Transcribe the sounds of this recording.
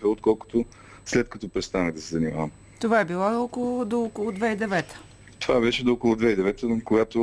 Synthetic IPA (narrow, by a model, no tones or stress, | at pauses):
vɛot̪kɔlˠkʊ̥t̪o | slɛt̪̚kɐt̪ɔpɾɛst̪anəɣd̪ɐsɛzɐnima̰vəm | t̪ovaɛbilˠookolˠʊd̪ookolˠʊd̪vɛid̪ɛvɛt̪ə̥ | t̪ovabɛʃɛd̪ookolˠʊd̪vɛid̪ɛvɛt̪əkoɡat̪o